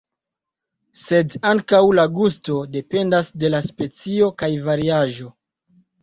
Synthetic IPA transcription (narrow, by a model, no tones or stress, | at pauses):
se̞daŋkawlaɡusto̞de̞pe̞ndasde̞laspe̞t͡sio̞kajvaɾiaʒo̞